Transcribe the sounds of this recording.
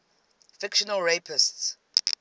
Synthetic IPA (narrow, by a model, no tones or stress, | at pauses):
fɪkʃɔnəlɹepʰɪsts